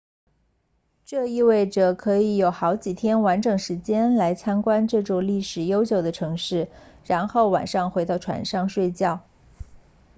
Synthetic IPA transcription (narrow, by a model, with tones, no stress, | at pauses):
ʈ͡ʂɤ˥˧i˥˧we˥˩ɪʈ͡ʂɤ˨˩kʰɤ˧˥i˧˥jo˨˩ʊxɑ˧˥ʊt͡ɕi˨˩t̪ʰjɛ˥nwa˧˥nʈ͡ʂɤ˨˩ŋʂɻ̩˧˥t͡ɕjɛ˥nla˧˥ɪt͡ɕʰɑ˥ŋkwa˥nʈ͡ʂɤ˥˧ʈ͡ʂɔ˥˧˩ŋli˥˩ʂɻ̩˨˩jo˥ʊt͡ɕjo˨˩ʊd̪ə˦ʈ͡ʂʰɤ˧˥ŋʂɻ̩˥˩ɻa˧˥nxo˥˩ʊwa̰˨˩nʂɑ˥˩ŋxwe˧˥t̪ɑ˥˩ʊʈ͡ʂʰwa̰˧˥nʂɑ˥˧ŋʂwe˥˧ɪt͡ɕjɑ˥˩ʊ